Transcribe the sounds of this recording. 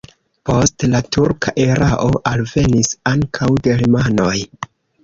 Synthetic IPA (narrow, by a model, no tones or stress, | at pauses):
po̞stlatuɾkʰaʔeɾaʔo̞ʔalve̞nisaŋkʰawde̞limano̞j